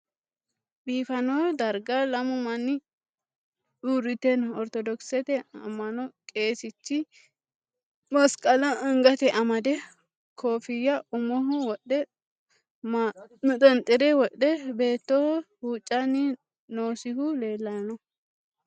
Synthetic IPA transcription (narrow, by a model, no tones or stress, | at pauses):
biːfɐnod̪ɐɾɡɐlɐmʊmɐnːɪ | uɾːɪt̪ɛnɔɾt̪ɔd̪ɔksɛt̪ɛɐ̰mːɐnɔkʼe̞ːsɪt͡ʃːɪ | mɐskʼɐlɐɪŋɡɐt̪ɛʔɐmɐd̪ɛ | kʰoːfɪjːɐʔʊmɔɦʊwɔɗːɛ | mnʊt̪ʼɛnt̪ʼːɪɾɛwɔɗːɛbe̞ːt̪ːɔhɔhuːt͡ʃʼːɐnːɪ | no̞ːsɪhʊle̞ːlːɐjɐnɔ